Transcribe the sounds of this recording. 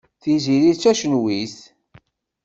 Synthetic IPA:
θiziɾit͡sːæʃənwiθ

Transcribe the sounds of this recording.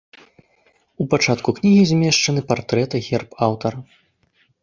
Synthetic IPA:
upat͡ʂat̪kuknʲiɣʲizʲmʲɛʂt͡ʂɐnɨpart̪ɾɛt̪ɐɣʲɛrpawt̪ɐɾɐ

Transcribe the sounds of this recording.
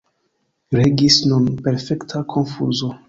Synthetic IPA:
ɾeɡisnunpe̞ɾfe̞ktʰakʰo̞nfṵzo̞

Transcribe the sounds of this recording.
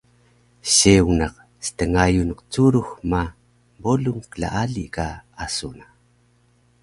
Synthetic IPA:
ɕeunaq | sə̥təŋajunəqt͡suɾuxma | boluŋkəla̰ʔaɮiʔkaasuna

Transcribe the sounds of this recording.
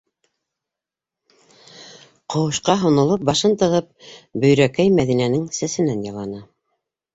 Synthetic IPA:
qʰŏwɤ̆ʃqɑɦŏnŏlˠɤp̚bɑʃɤnt̪ɤ̆ʁɤp̚bɵ̆jɾækæjmæðinænɘŋsæsɘ̆nænjɑ̆lˠɑnɤ

